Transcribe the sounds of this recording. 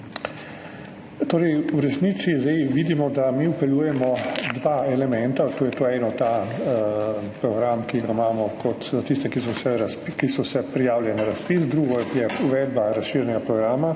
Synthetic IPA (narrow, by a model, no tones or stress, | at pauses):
t̪oːɾɛjuɾɛsniːt̪sizɛjʋiːd̪imɔd̪amiupɛluːjɛmɔd̪ʋaːɛlɛmɛ̃nt̪at̪oːjɛt̪oːɛnɔt̪a | pɾɔɡɾamkiɡamaːmɔkʰɔt̪zat̪ist̪ɛkis̬ɔwsɛɾskisɔsɛpɾijaːwlʲjɛnaɾaspisd̪ɾuːɡɔjɛuʋɛd̪baɾasʃiːɾʲjnɛɡapɾɔɡɾaːma